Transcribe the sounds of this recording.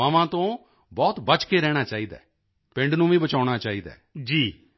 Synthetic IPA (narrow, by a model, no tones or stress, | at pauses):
aːʋãːt̪õː | bɔːt̪bət͡ʃkeːɾɛːɽ̃aːt͡ʃaːiːd̪a̰ː | pɪ̃ɳɖnũːʋiːbət͡ʃaːɽ̃aːt͡ʃaːiːd̪a̰ːd͡ʒiː